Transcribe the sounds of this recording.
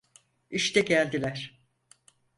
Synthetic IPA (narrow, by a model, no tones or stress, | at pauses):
iʃt̪ɛɟælʲd̪ilʲæɾ̥